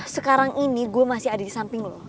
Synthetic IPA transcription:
səkaɾaŋʔiniɡuamasɪɦadadisampɪŋlo

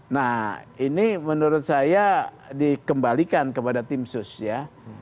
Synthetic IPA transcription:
nahinimənuɾʊt̪̚saja | dikəmbalikankəpadat̪imsʊsja

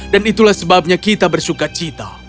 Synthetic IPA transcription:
danit̪ulahsəbap̚ɲakit̪abərsukat͡ʃit̪a̰

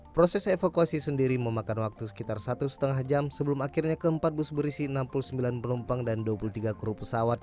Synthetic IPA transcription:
pɾosɛsefakuasisəndiɾiməmakanwak̚t̪usə̥kit̪arsat̪usə̥t̪əŋahd͡ʒamsəbəlumakirɲakəəmpat̪̚busbəɾisiənampulusəmbilanpənumpaŋdanduapulut̪iɡakɾupəsawat̪̚

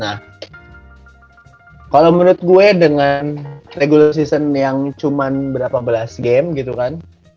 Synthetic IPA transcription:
nah | kalamuɾʊt̪̚ɡuɛdəŋanreɡulas̬isənjaŋt͡ʃumanbəɾapabəlasɡɛmɡit̪ukan

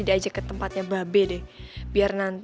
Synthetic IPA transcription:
idaːd͡ʒakət̪əmpat̪̚ɲababedɪhbiarnant̪

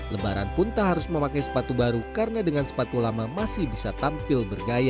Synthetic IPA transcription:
ləbaɾa̰npʊnt̪aɦaɾʊsməmakajsə̥pat̪ubaɾukaɾənadəŋansə̥pat̪ulamamasɪhbisat̪ampɪlbərɡaja

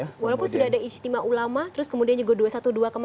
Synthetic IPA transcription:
walawpʊnsudaɦadaist̪imaʔulamat̪əɾʊskəmudianɲd͡ʒuɡaduasat̪uduakəm

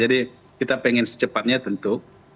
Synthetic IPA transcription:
d͡ʒadi | kit̪apɛŋɛnsə̥t͡ʃəpat̪̚ɲat̪ənt̪u

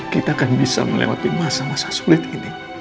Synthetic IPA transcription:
kit̪aːkanbisa̰məlḛwa̰t̪imasamasḁsulɪt̪̚ini

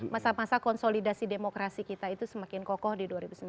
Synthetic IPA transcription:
masamasakɔnsolidasidemokɾasikit̪ait̪usəmakɪnkɔkɔhdiduaɾibusəmb

